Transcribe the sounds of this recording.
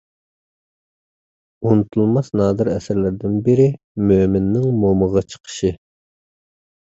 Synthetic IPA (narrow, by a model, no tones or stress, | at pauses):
unɨt̪ʰulˠmɑsnɑːd̪ɨɾɛsɪɾlɪɾd̪ɪnbɪɾɪ | mømɪnːɪŋmoməʁɑt͡ʃʰə̥qʰə̥ʃɨ